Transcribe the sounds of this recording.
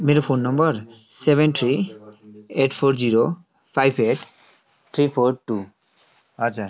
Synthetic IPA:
meɾpʰonːɔmbɔɾsebent̪ʰɾi | eʈpʰoɾziɾo | pʰajbʰeʈ | t̪ʰɾipʰoɾʈu | atːt͡ʃʰa

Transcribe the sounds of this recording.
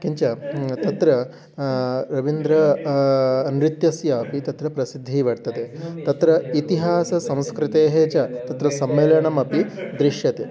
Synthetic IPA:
kiɲt͡ʃɐt̪ɐt̪ɾɐ | ɾɐʋind̪ɾɐː | nɾit̪jɐsjɐːpit̪ɐt̪ɾɐpɾɐsid̪ʱːiːʋɐɽt̪ɐt̪et̪ɐt̪ɾɐit̪iɦaːsɐsɐ̃w̃skɾɪt̪eːɦeːt͡ʃɐt̪ɐt̪ɾɐsɐmːeːljɐɳɐmɐpid̪ɾiʂjɐt̪e

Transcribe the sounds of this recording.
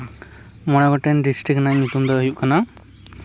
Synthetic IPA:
mɔɽ̃aɡɔʈɛnɖisʈɾiknajɲut̪umd̪əəjuʔkana

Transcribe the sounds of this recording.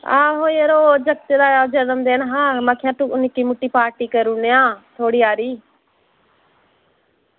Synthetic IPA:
a̰ːɦoːieɾoːd͡ʒəkt̪ed̪aːjaːd͡ʒənəmd̪eːnɦãːmakʰjãːt̪uʊnikiːmʊʈːiːpaːɾʈiːkəɾuːnejãːt̪ʰoːɽiːaːɾiː

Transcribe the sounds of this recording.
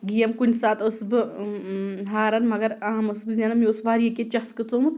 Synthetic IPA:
ɡijɐmkunʲsaːt̪ɨsbɨ | ɦaːɾɐnmɐɡɐɾɐːmɨsbɨzʲaːnɐmiosʋaːɾijɐkʲet͡ʃɐxskɨt͡soːmɨt̪

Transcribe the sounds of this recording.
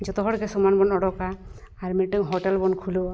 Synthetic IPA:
d͡ʒɔt̪ɔɦɔɽkɛsɔmanbɔnɔɽɔkaː | ɾmiʈiŋɦɔʈelbɔnkʰulo

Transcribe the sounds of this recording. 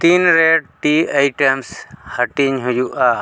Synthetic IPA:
t̪inɾeɖ̚ʈiajʈemshəʈiɲɦʊjuʔa

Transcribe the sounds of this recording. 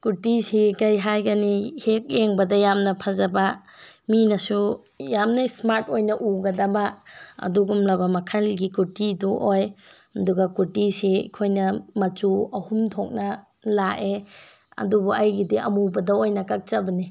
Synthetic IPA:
kutisikɐjɦajɡɐnihek̚eŋbɐdɐjamnɐpʰazɐbɐ | minɐsu | jamnɐsmaɾtojnɐʔuɡɐdɐbaɐ̰duɡumlabɐmɐkʰalɡikutiduʔoj | ɐduɡɐkutisiḭkʰojnɐmɐt͡ʃuɐhumtʰok̚nɐ | laʔe | ɐ̰dubuajɡidiʔɐ̰mubɐdɐojnɐkak̚t͡ʃɐbɐni

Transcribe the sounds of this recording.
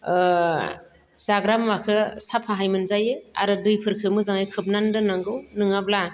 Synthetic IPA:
zaɡɾamːakʰɯsapʰaɦajmɯnzajɯa̰ɾɯdɯjpʰɯɾkʰɯmɯzaŋajkʰɯp̚nandɯnaŋɡɯwnɯŋabla

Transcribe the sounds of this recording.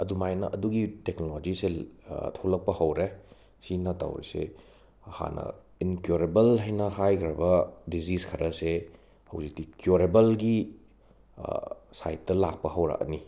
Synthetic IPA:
ɐdumajnɐ̰ʔɐduɡiteknolod͡ʒisetʰowlɐk̚pɐhɐwɾe | sinɐta̰wɾḭsḛ | ha̰nɐ̰ | inkjoɾebɐlɦɐjnɐhajkʰɾɐbɐdiziskʰɐɾʔɐse | hɐ̰wzik̚tikjoɾebɐlɡi | sa̰jt̚tːɐlak̚pɐhɐwɾa̰ʔɐ̰ni

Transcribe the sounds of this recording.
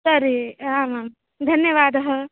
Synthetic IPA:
sɐɾiaːmaːm | d̪ʱɐnjɐʋaːd̪ɐɦɐ

